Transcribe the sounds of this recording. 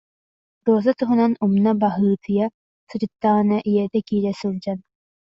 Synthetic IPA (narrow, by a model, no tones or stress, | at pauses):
ɾuɔzat̪uɦunanumnabaɦɯːt̪ʰɯja | sud͡ʑɯt̪ːaʁɯnaʔijɛɾd̪ɛkiːɾɛsɯld͡ʑan